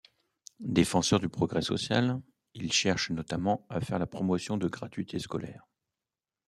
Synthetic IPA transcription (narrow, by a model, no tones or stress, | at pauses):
d̪efɑ̃sœʁd̪ypχɔɡʁɛsɔ̰sja̰l | ilʃɛʁʃnɔt̪amɑ̃afɛʁlapχɔmɔsjɔ̃d̪əɡʁat̪ɥit̪ʰeskɔlɛːʁ